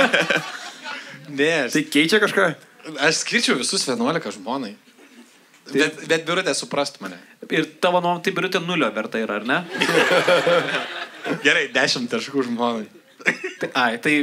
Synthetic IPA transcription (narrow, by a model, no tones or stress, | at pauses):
nʲɛɐɪkʲɛɪt͡ʃʲɛkɐʃkɑː | ɐʃsʲkʲɪɾʲt͡ʃʲɛʊʋʲɪsʊsʋʲiɛnuɔlʲɪkɐʒmoːnɐɪ | b̪ɐbʲɛtt̪bʲɛt̪̚bʲɪɾʊt̪ʲeːsʊpɾɐst̪mɐnʲɛ̰ | ɪɾt̪ɑːʋoːnuɔmt̪ɐɪbʲɪɾʊt̪ʲeːnʊlʲoːʋʲɛɾt̪ɐiːɾɐɐɾʲnʲɛ | ɡʲɛɾɐɪd̪ʲæːʃʲɪmt̪ɐʃkuːʒmoːnɐɪ | t̪ɐɪʔɐɪt̪ɐɪ